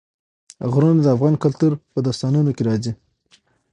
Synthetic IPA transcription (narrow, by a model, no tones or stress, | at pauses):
ɣɾund̪əafɣɑnkalt̪uɾpəd̪ɑst̪ɑnunokeɾɑzi